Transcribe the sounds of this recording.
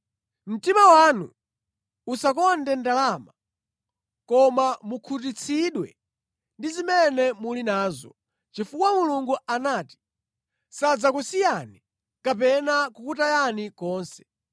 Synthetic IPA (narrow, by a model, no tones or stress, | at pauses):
m̩timawanṵ | usakɔndɛndalama | kɔmamukʰut̬it͡sʰiɗwɛ̰ | ndizimɛnɛmulinaːzɔ̰ | t͡ʃifukwamuluŋɡuanaːti̥ | sad͡zakusijani | kapɛnakukutajanikɔːnsɛ̥